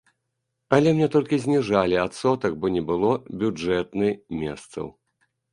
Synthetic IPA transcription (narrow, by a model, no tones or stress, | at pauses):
alʲɛmnʲɛt̪ɔlʲkʲizʲnʲiʐalʲiat̪sɔt̪ɐk̚bɔnʲɛbɨlˠɔbʲud͡ʐɛt̪nɨmʲɛ̰st̪sɐ̰w